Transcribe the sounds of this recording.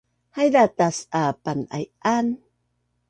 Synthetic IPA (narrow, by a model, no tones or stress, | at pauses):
hajdat̪asapana̰jan